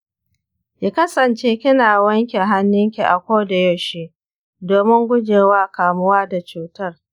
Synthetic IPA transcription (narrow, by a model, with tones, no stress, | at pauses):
ki˦kɐ˦sɐ˨nt͡ʃeː˦kʲɪ˦naː˨wɐ˦ŋkʲe˨ɦa˦nːɪ˦ŋkʲi˨ʔa̰˨kʷoː˦da˨jɐ˦˨ʃi˦ | doː˨mɪ˦ŋɡʷʊ˦d͡ʒeː˨waː˦kaː˨mʊ˦waː˦da˨t͡ʃuː˨tɐ˦r